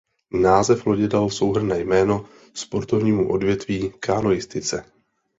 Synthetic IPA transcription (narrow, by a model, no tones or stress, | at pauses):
naːzɛfloɟɛdalso̞wɦr̩nɛːjmɛːno̞ | spo̞ɾt̪o̞vɲiːmuʔo̞dvjɛt̪viːkʰaːno̞jɪst̪ɪt͡sɛ